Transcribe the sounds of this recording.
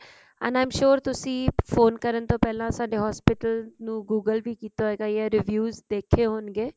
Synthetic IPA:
ə̰̃naːɪmʃoːɾt̪ʊsĩːfʰoːnkəɾənt̪oːpɛːlãːsaːɖeːɦɔːspɪʈəlnũːɡuːɡəlbiːkiːt̪oːeːɡaːjɛːɾɪʋjuːzd̪eːkʰːeːɦoːnɡeː

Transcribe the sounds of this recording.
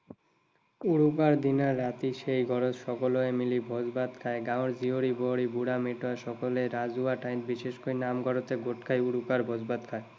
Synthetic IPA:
uɽuk̬aɾd̪inaɾːat̪iʃejɡʱɔɾotʃɔkoloemilibʱod͡ʑbad̪kʰaeɡãoɾd͡ʑioɾiboɦɽibuɽameʈoeʃɔkoleɾad͡ʑuaʈajt̪̚biʃeʃkojnamɡʱɔɾot̪eɡoʈkʰajuɽukaɾbʱod͡ʑbad̪kʰae

